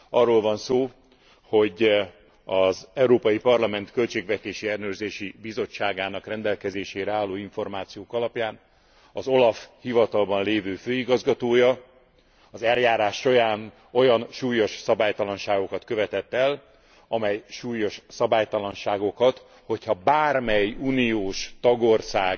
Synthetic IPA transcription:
ɒrːolvɒnsoː | ho̞ɟ | ɒzɛuɾoːpɒjipɒrlɒmɛnt̪kø̞lt͡ʃeːɡvɛt̪eːʃiɛlnøːrzeːʃibizo̞t͡ʃːaːɡaːnɒkrɛnd̪ɛlkɛzeːʃeːɾɛaːlːoːiɱfo̞rmaːt̪sijoːkɒlɒpjaːn | ɒzo̞lɒfhivɒt̪ɒlbɒnleːvøːføːiɡɒzɡɒt̪oːjɒ | ɒzɛljaːɾaːʃːo̞ɾaːn | o̞jɒnʃuːjo̞ʃsɒbaːjt̪ɒlɒnʃaːɡo̞kɒt̪køvɛt̪ɛt̪ːɛl | ɒmɛjʃuːjo̞ʃsɒbaːjt̪ɒlɒnʃaːɡo̞kɒt̪ | ho̞chɒbaːrmɛjuːnijoːʃt̪ɒɡo̞rsaːɡ

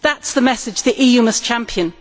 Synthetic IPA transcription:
ðatsðəmɛsɪd͡ʒðiʔiːjʉːməst͡ʃʰãmpʰiə̃n

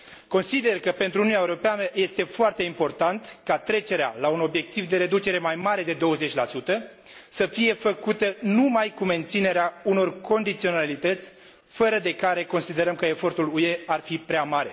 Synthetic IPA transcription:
ko̞nsid̪e̞rkəpe̞nt̪ɾununaeuɾo̞peanəje̞st̪e̞foart̪e̞impo̞rt̪ant̪kat̪ɾe̞t͡ʃe̞ɾea̰launo̞bje̞k̚t̪ivd̪e̞ɾe̞d̪ut͡ʃe̞ɾe̞majmaɾe̞d̪e̞d̪o̞wəze̞t͡ʃʲlasut̪ə | səfije̞fəkut̪ənumajkume̞nt̪sine̞ɾeauno̞rkʰo̞nd̪it̪sio̞nalit̪ət̪sʲ | fəɾəd̪e̞kaɾe̞ko̞nsid̪e̞ɾəmkəe̞fo̞rt̪ulue̞arfipɾeamaɾe̞

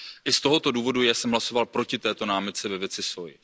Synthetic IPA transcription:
ʔɪst̪o̞ɦo̞t̪o̞duːvo̞dujasɛmɦlaso̞valpɾo̞cɪt̪ɛːt̪o̞naːmɪt̪̚t͡sɛvɛvjɛt͡sɪsoj

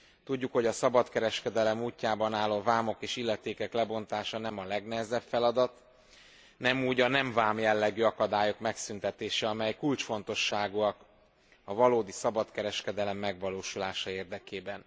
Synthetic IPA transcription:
t̪uɟːukho̞ɟɒsɒbɒt̪kɛɾɛʃkɛd̪ɛlɛmuːcːaːbɒnaːlːovaːmo̞keːʃilːɛt̪eːkɛklɛbo̞n̪t̪aːʃɒnɛmɒlɛɡnɛɦɛzɛbfɛlɒd̪ɒt̪ | nɛmuːɟɒnɛɱvaːmjɛlːɛɡyːɒkɒd̪aːjo̞kmɛksynt̪ɛt̪eːʃɛɒmɛjkult͡ʃfo̞n̪t̪o̞ʃːaːɡuɒk | ɒvɒloːd̪isɒbɒt̪kɛɾɛʃkɛd̪ɛlɛmːɛɡvɒloːʃulaːʃɒeːrd̪ɛkeːbɛn

